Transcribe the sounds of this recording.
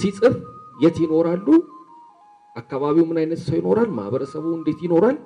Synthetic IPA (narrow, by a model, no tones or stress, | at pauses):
sisʼɨβjɛt̪jɪno̞ɾalːu | ʔakːaβaβiwmɨnajnət̪səwjɪno̞ɾalma̰hβəɾəsəβuɨnd̪e̞t̪jɪno̞ɾal